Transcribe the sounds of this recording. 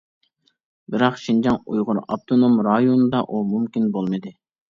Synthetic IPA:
bɪɾɑqʃind͡ʒɑŋujʁʊɾɑ̰p̚t̪ʰonomɾɑjonɨd̪ɑʔumumkʲinbolˠmɨd̪ɪ

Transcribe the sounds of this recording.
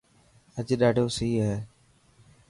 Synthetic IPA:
əd͡ʒɗaːɖʱoːsiːɦeː

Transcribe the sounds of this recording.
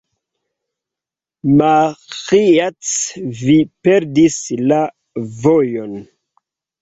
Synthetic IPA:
maxiat͡svipe̞ɾdisla | vojo̞n

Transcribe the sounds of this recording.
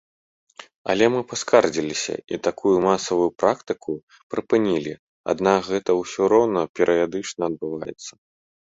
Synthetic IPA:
ɐ̰lʲɛmɨpaskard͡zʲilʲisʲɐ̰ʔit̪akʰujumasɐvujupɾakt̪ɨkʰu | pɾɨpɨnʲilʲi | a̰d̪nakɣɛt̪ɐwsʲɔɾɔwnɐpʲɛɾʔɨjad̪ɨt͡ʂnɐɐd̪̚bɨvajɛ̰t̪sːɐ

